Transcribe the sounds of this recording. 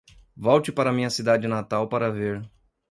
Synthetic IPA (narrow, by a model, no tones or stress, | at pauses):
vɔwt͡ʃɪpaɾɐmĩɲɐsid̪ad͡ʒɪnat̪awpaɾɐveɾ